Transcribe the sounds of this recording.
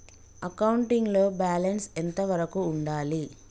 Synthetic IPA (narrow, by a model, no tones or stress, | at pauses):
ɐkɐwuɳʈiŋɡlo̞ːbaːlɐnsent̪ɐʋɐɾɐkuːɳɖaːli